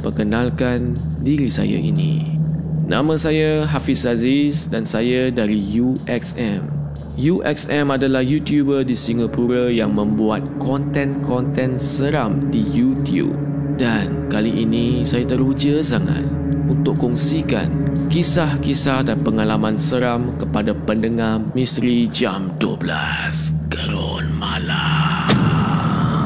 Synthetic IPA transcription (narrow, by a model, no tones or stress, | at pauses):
pəkənãlkan | diɾisa̰ja̰ʔḭnḭ̃ | nʔã̰mə̃sajaɦafisazisdansajadaɾijuʔɛksɛm | juʔɛ̰ksɛmadalahjut̪jubədisiŋapuɾajaŋmə̃mbuat̪̚kɔnt̪ɛ̃nkʰɔnt̪ɛ̃nsəɾamdijut̪jṵb̚ | dankaliʔinĩsajat̪əɾud͡ʒəsaŋa̰t̪̚unt̪ʊʔkːɔŋsika̰nkisahkisahdanpəŋalamãnsəɾamkəpadapəndəŋahmĩsɾid͡ʒamduobla̰ | skəɾo | nmala